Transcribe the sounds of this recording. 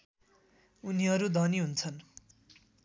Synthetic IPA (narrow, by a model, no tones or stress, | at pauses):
uniʌɾud̪ʱʌniɦunt͡sʰʌn